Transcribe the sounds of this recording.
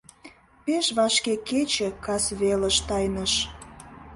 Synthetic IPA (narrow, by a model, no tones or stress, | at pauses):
peʃβɑʃkeket͡ɕekɑsβelə̆ʃt̪ɑjnəʃ